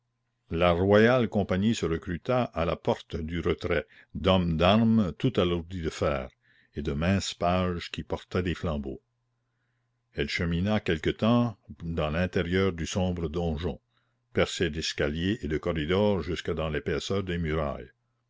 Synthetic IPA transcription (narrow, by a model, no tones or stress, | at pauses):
larwajalkɔ̃paɲisəɾəkɾyt̪aʔalapɔʁt̪d̪yɾət̪ɾɛ | d̪ɔmd̪aʁmt̪ut̪aluʁd̪id̪əfɛːʁ | ed̪əmɛ̃ːspaːʒkipɔʁt̪ɛd̪eflɑ̃bo | ɛlʃəminakɛlkət̪ɑ̃d̪ɑ̃lɛ̃t̪eʁjœːʁd̪ysɔ̃ːbɾəd̪ɔ̃ʒɔ̃ | pɛʁsed̪ɛskaljeʔed̪əkɔɾid̪ɔʁʒyskad̪ɑ̃lepɛːsœːʁd̪emyɾa̰j